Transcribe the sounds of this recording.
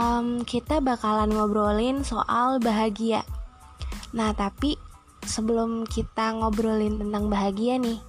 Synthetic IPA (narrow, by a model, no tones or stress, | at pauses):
ʔəmkit̪abakalanŋobɾolɪnso̰ʔalbaɦaɡia | naht̪api | səbəlʊmkit̪aŋobɾolɪnt̪ənt̪aŋbaɦaɡianɪh